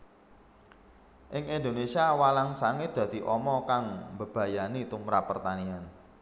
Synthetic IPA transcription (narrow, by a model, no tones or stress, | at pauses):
ʔɪŋind̪onesiawalaŋsaŋed̪̥ä̤d̪̥i̤ʔɔmɔkaŋmbə̤b̥ä̤janit̪umɾapːərt̪anian